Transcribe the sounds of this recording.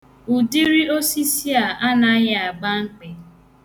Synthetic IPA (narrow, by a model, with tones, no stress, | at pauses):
u˨di˦ɾi˦o˦si˦si˦a˨ʔa˦na˦ɣa˨ɡ͡ba˦ŋ̩˦k͡pe˨